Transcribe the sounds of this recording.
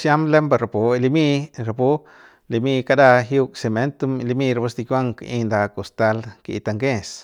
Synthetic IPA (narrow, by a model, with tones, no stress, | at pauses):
sja˦mle˦mba˧ɾa˨po˨e˧li˧mi˦˧ɾa˨pu˦ | li˧mi˦˧ka˧d̪a˧ɦju˧kse˧˨me˨˦nt̪u˧m˧li˧mi˧ɾa˧bu˧sd̪i˧kjʷwa˦ŋkʔi˧nd̪a˧ko˨st̪a˧lkḭ˨˧t̪a˧ŋɡe˦˧s